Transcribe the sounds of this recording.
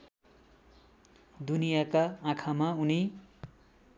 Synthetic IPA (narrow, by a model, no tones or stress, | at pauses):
d̪unijakaãkʰamauni